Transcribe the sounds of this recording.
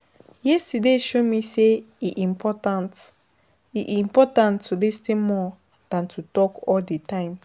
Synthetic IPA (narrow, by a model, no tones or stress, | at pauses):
jɛstideʃomise | iʔĩmpʰɔtãnt | iʔĩmpɔtãntʰːudestemɔ | d̥ãntʰutɔkɔldetãɪ̃m